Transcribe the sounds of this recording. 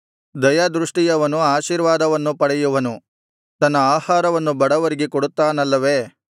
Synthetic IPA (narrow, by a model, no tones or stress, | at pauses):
d̪ɐjɐd̪ɾuʂʈijɐʋɐnuaːʃiːɾʋaːd̪ɐʋɐnːupɐɽɛjuʋɐnu | t̪ɐnːɐaːhaːɾɐʋɐnːubɐɽɐʋɐɾiɡekoɽut̪ːaːnɐlːɐʋe̞ː